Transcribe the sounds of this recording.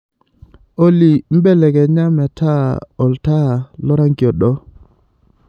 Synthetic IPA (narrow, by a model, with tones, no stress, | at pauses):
o˦li˨m̩˦bɛ˦˨lɛ˨kɛ˨ɲa˦mɛ˨tʰa˦ɔ˨lta˦˨lɔ˦ɾa˦ŋɡi˨ɔ˨ɗɔ˦